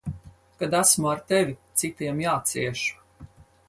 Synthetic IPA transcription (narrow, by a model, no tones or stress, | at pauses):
kad̪æsmuaɾt̪evʲit̪sit̪iɛmjaːt̪siɛʃu̥